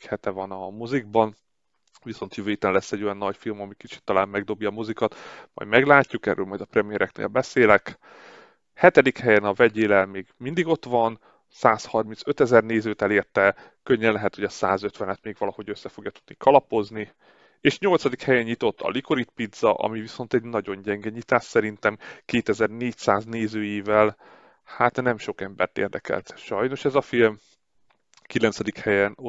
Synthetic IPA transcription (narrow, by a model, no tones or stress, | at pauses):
hɛt̪ɛvɒnɒmoziɡ̚bɒn | viso̞nt̪jøvøːjit̪ɛnlɛsːɛɟːo̞jɒnːɒcfilmɒmikit͡ʃi̥t̪ːɒlaːmmɛɡ̚d̪o̞bjɒːmozikɒt̪mɒ̰jd̪mɛɡlaːcːukɛ̰rːʔø̰ːlmɒjd̪ɒprɛmijɛɾɛknḛːlbɛseːlɛk | hɛt̪ɛd̪ikhɛjɛnɒvɛɟeːlɛlmeːɡmind̪iɡo̞t̪ʋɒn | saːshɒrminsøt̪ɛzɛrneːzøːt̪ɛleːrt̪ɛ | køɲːɛnlɛɦɛt̪ho̞ɟɒsaːzø̞t̪ʋɛnɛt̪meːɡʋɒlɒho̞ɟøsːɛfo̞ɡjɒt̪ud̪nikɒlɒpo̞zni | eːʃɲo̞lt̪sɒd̪ikhɛjɛɲɲit̪o̞t̪ʰːɒ̰likoɾit̪pid̪z̥ɒ̰ʔɒ̰miviso̞nt̪ɛɟnɒɟo̞ɲɟɛŋɡɛɲit̪aːʃsɛɾint̪ɛmkeːt̪ɛzɛrneːcsaːzneːzøːjiːvɛl | haːt̪nɛmʃo̞kɛmbɛ̰rt̪ḛːrd̪ɛkɛ̰lt̪ʃɒjno̞ʃɛzɒfilm | kilɛnt̪sɛd̪ikhɛjɛn